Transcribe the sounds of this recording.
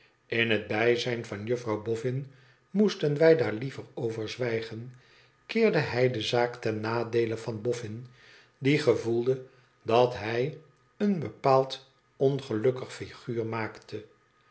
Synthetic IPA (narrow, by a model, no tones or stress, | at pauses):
ɪnɦəd̚bɛjzɛjnvɑnjɵfrɑwbɔfɪn | mustənʋɛjdaːɹlivərowvəɹzʋɛjχən | kɪːɹdəɦɛjdəzaːktɛnːaːdejləvɑnbɔfɪn | diχəvulˠdə | dɑtɦɛj | ənbəpaːlˠt | ɔnχəlɵkəχfiχyːɹmaːktʰə